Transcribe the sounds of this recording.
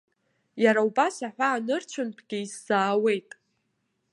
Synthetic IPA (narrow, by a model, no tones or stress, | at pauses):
jaɾaubasaħʷaːnɨrt͡ʃʷʰʊnpʰɡʲɪiz̥ːaːwe̞jtʼ